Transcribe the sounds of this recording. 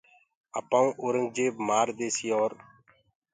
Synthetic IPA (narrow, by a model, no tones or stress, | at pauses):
ə̰pãːũːʔoːɾəŋɡ̚d͡ʒeːbmaːɾd̪eːsijoːɾ